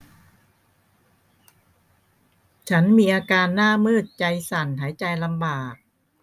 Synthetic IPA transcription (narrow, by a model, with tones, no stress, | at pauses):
t͡ɕʰa˦˥nmiː˧ʔaː˧kaː˧nːaː˥˩mɤː˥˩t̪̚t͡ɕa˧jsa˨˩nɦaː˩˦jt͡ɕa˧jla˧mbaː˨˩k̚